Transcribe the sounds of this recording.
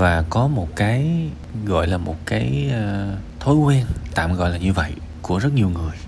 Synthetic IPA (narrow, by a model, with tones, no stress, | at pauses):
vaː˨˩kɔ˨˦mo˨˩t̚kaː˨˦j | ɣɔ̰˧˨jlaː˨˩mo˨˩t̚kaː˨˦jəː˧t̪ʰo˨˦jkwɛ˧nt̪a̰ː˧˨mɣɔ̰˧˨jlaː˨˩ɲɨ˧və̰˧˨j | ku˧˩əzə˦˥t̚ɲi˨˩wŋɨ˨˩əj